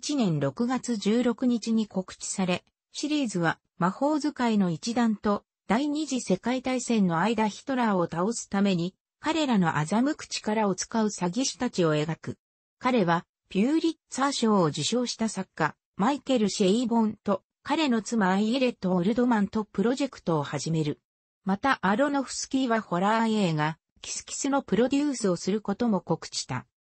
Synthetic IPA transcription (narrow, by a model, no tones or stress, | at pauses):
it͡ɕinẽ̞nɾo̞kɯ̟ɡat͡sɨʑɨːɾo̞kɯ̟ɲ̟it͡ɕiɲ̟iko̞kɯ̟̥t͡ɕi̥saɾe̞ | ɕiɾʲiːzɨβa | maho̞ːzɨkaino̞it͡ɕid̪ãnt̪o̞ | d̪̥aiɲ̟iʑise̞kait̪aisẽ̞nːo̞aid̪açi̥t̪o̞ɾaːo̞t̪aosɨ̥t̪ame̞ɲ̟i | kaɾe̞ɾano̞̰ʔa̰zamɯ̟kɯ̟̥t͡ɕi̥kaɾao̞t͡sɨ̥kaɯ̟saɡʲiɕi̥t̪at͡ɕio̞e̞ɡakɯ̟ | kaɾe̞βa | pʲɨːɾʲit̪saːɕo̞ːd͡ʑiɕo̞ːɕi̥t̪asakːa | maike̞ɾɯ̟ɕeibõ̞nt̪o̞ | kaɾe̞no̞t͡sɨmaiɾe̞t̪ːoɾɯ̟d̪o̞mãnt̪o̞pɯ̟ɾo̞ʑe̞kɯ̟̥t̪o̞ːhaʑime̞ɾɯ̟ | mat̪aʔaɾo̞no̞ɸɯ̟̥sɨ̥kʲiːβaho̞ɾaeːɡa | kʲi̥sɨ̥kʲi̥sɨno̞pɯ̟ɾo̞d̪ʲɯːsɨo̞sɨɾɯ̟ko̞t̪o̞mo̞ko̞kɯ̟̥t͡ɕi̥t̪a̰